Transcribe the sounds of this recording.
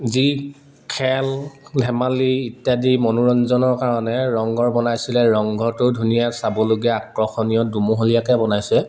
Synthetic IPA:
zi | kʰɛllʱɛmaliːtjadimɔnuɹɔnzɔnɔɹkaɹɔnɛɹɔŋɡɔɹbɔnajsilɛɹɔŋɡʱɔtʊdʱunijasabɔloɡɛakɹɔxɔnijɔdumuɦolijakɛbɔnajsɛ

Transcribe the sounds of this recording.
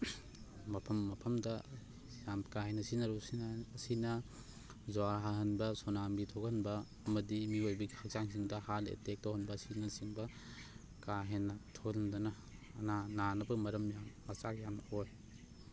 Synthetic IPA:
mɐpʰɐmːɐpʰɐmdɐ | jamkaɦenɐsinɐɾusinːsinɐ | zoaɾɦaɦɐnbɐsonambitʰoɡɐnbɐː | mɐdimiojbikhak̚saŋs̬iŋdɐhalḛtek̚tohɐnbɐsinɐsiŋbɐ | kaɦenɐtʰoɡlɐndɐnɐ | nananɐbɐmɐɾɐmjamːɐt͡ʃakjamoj

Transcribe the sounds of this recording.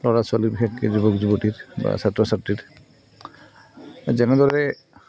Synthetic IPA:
lɔɹaswalibixɛkːɛzubɔkzubotitba̰satɹɔsatɹit | zɛnɛdɔɹɛ

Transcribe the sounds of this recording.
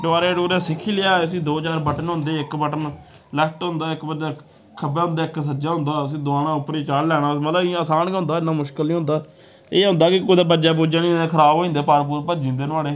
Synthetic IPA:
ɖʊaːɾeːɖuːɾẽːsɪkʰːiːlɪjaːəs̬ĩːd̪oːt͡ʃaːɾbəʈənɦʊ̃nd̪eːɪkbəʈən | lɛkʈɦʊ̃nd̪aːɪkbəd͡ʒaː | kʰəbãːɦʊnd̪aːɪksəd͡ʒaːɦʊ̃nd̪aːəs̬ĩːd̪ʊaːnãːʊpːɾiːt͡ʃaːɽlɛːɽ̃aːmət̪ləbĩəsaːnkɦʊ̃nd̪aːɪnːãːmʊʃkəlnĩːɦʊ̃nd̪aː | eːʊnd̪aːkɪkoːid̪aːbəd͡ʒaːp̬uːd͡ʒãːnĩːẽːkʰəɾaːboːĩːnd̪eːpaːɾp̬uːɾpəd͡ʒĩːnd̪eːnəaːleː

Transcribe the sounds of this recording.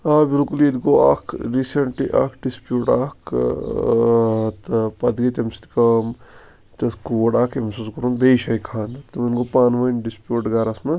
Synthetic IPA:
aːbilkulid̪ɡoa̰ːkʰɾiːseɳʈliʔa̰ːkʰɖispjuːʈaːkʰ | t̪ɐpɐd̪ɡɐt̪ɐmsi̥t̪ikɐm | t̪ɐskuːɖaːkemsuːskɐɾunb̪eʃaːikʰaːnt̪mɐnɡopaːnʋɐnɖispjuːʈɡaːɾɐsmɐ

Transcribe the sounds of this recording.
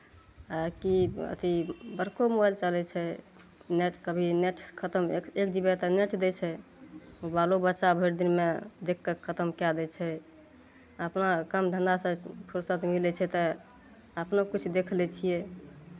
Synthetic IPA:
akiə̰t̪ibəɾkomobalt͡ʃəlɛt͡ʃʰɛ | neʈʰkəbʱineʈʰkʰət̪əmkekd͡ʒibɛt̪əneʈʰd̪ɛt͡ʃʰɛ | obalobətːʃabʱeɾd̪inmed̪ekʰːəkʰət̪əmkad̪ɛt͡ʃʰɛ | əpnakəmd̪ʱə̃nd̪asə̃pʰuɾsət̪milɛt͡ʃʰɛt̪ə | əpnokut͡ʃʰd̪ekʰlɛt͡ʃʰijɛ

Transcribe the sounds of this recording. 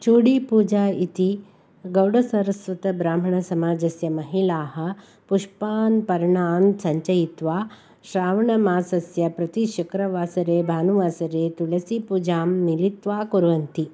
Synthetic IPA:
t͡ʃuːɽipuːd͡ʒaːit̪i | ɡɐwɖɐsɐɾɐsʋɐt̪ɐbɾaːm̤ɐɳɐsɐmaːd͡ʒɐsjɐmɐɦilaːɦɐ̆ | puʂpaːnpɐɾɳaːnsɐɲt͡ʃɐjit̪ʋaː | ʃɾaːʋɐɳɐmaːsɐsjɐpɾɐt̪iʃɐkɾɐʋaːsɐɾeːbʱaːnuʋaːsɐɾeːt̪ulɐsipuːd͡ʒaːmnilit̪ʋaːkuɾʋɐnt̪i

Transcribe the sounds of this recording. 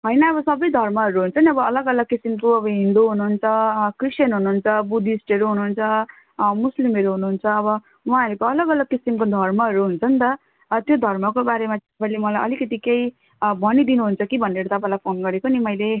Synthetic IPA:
ɦʌjnʌːβʌsʌbʌjd̪ʱʌrmʌɦʌɾuɦunt͡sʰʌniʌbʌʌlʌɡʌlʌɡ̚kisimkoʌbʌɦind̪oɦunuɦunt͡sʰʌkrisjʌnɦunuunt͡sʰʌbud̪ʱisʈʌɾuɦunuunt͡sʰʌ | muslimeɾuɦunuɦunt͡sʰʌːbʌ | wãɦʌɾukoʌlʌɡʌlʌɡ̚kisimkod̪ʱʌrmʌɦʌɾuɦunt͡sʰʌnt̪ʌ | t̪jod̪ʱʌrmʌkobaɾemat̪ʌpãlemʌlajʔʌ̰likʌt̪ikej | bʱʌnid̪inuɦunt͡sʰʌkibʱʌnːeɾʌt̪ʌpãĩlajpʰonɡʌɾekonimʌjle

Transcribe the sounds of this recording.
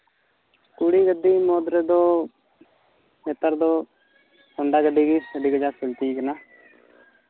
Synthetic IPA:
kuɽiːɡəd̪iːmoːd̪ɾəd̪oː | net̪əɾd̪oː | koɳɖaːɡəɖiːɡikəɖiːɡəd͡ʒaːsɪlt̪iɡənaː

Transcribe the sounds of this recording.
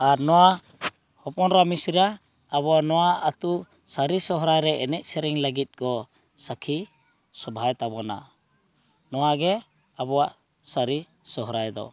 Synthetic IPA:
aɾnɔwa | hɔpɔnɾamisɾaː | βɔanɔwaat̪u | saɾisɔɦɾajɾɛʔɛnɛʔ̚sɛɾɛŋləɡit̪̚kɔ | sakʰi | sɔbʱajt̪abɔna̰ | nɔwaɡɛ | abɔwaʔ | saɾi | sɔɦɾajd̪ɔ̰

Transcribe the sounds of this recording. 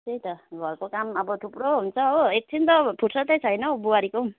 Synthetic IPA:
tejt̪ʌɡʱʌrkokamʌbʌt̪ʰuproɦunt͡sʰʌɦoek̚t͡sʰint̪ʌpʰuɾsʌt̪ʌjt͡sʰʌjnʌbuaɾiko

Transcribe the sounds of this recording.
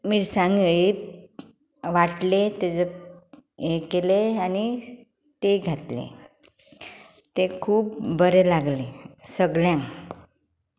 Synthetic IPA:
miːɾsãŋɡue | ʋaʈlet̪ed͡zə | ekeleani | t̪eɡʱat̪lḛ | t̪ekʰuːp̚bəɾelaɡlesəɡljãŋ

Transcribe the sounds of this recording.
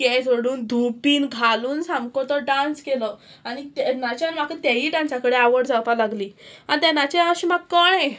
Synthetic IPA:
kɛsəɽuːnd̪ʱupiːnɡʱaluːnsamkot̪əɖãnskeləː | aɽ̃it̪nat͡ɕanmakət̪jaɦiːɖãnsakəɽeaʋəɽd͡zawpalaɡliːanit̪ɛnat͡ɕeaɕimaɡkːəɳɛ

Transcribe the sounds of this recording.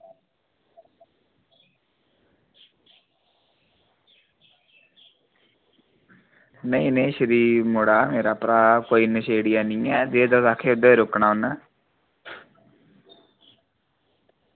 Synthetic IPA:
nəĩnẽːʃəɾiːɾmoɽaːmeːɾaːpɾaːkoːiːnəʃeːɽɪjaːnĩːɛːd̪eːd̪əsaːkʰeːʊd̪eːɾʊknaːonaː

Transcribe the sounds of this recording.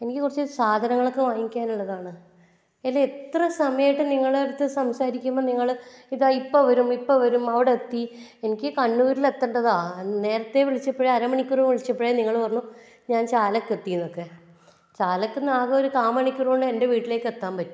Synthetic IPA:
e̞nikʲːɨkurit͡ɕːɨsaːd̪ʱɐnɐŋːɐɭo̞kːe̞ʋaːjikʲːaːnuɭːɐðaːɳɨ | elːeet̪rɐsɐmɐjɐjiʈːɨniŋːɐɭeɽut̪ːɨsɐmsaːɾikʲːumːɐniŋːɐɭiðaːipːoʋɐɾumipːoʋɐɾumɐʋiɽeːt̪ːi | enikʲːɨkɐɳːuːɾilet̪ːɐɳɖɐðaːne̞ːɾɐt̪ːe̞ʋiɭit͡ɕːɐpːeɻeɐɾɐmɐɳikʲːurumʋiɭit͡ɕːɐpːeɻeniŋːɐɭpɐrɐɲːu | ɲaːnt͡ɕaːlɐkːet̪ːijunːokːe̞ | t͡ɕaːlɐkːɨnaːɣɐoɾuk̪aːmɐɳikʲːurkoɳɖɨe̞nde̞ʋiːʈːile̞ːkːɨet̪ːaːmpɐtːu̥m

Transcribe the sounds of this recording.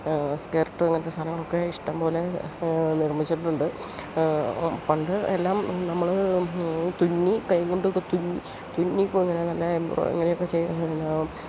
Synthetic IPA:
skerʈːɨeŋːɐnɐt̪ːest̪ʰɐlɐŋːɐɭo̞kːe̞iʂʈɐmpo̞ːle̞nirmit͡ɕːiʈːɨʈːuɳɖɨ | pɐɳɖɨelːaːmnɐmːɐɭ | t̪unːikɐjŋɡoɳɖɨkːt̪unːi | t̪unːipːoiŋːɐnenɐlːɐembro̰ḛŋːɐnejokːe̞t͡ɕe̞junːa

